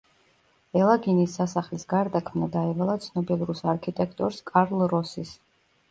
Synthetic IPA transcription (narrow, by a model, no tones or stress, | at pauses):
ɛlˠaɡinisːasaχlisɡaɾd̪akʰmnad̪aivalˠat̪sʰnɔbilˠuɾusaɾkʰit̪ʼɛkʰt̪ʼɔɾskʼaɾlˠɾɔsis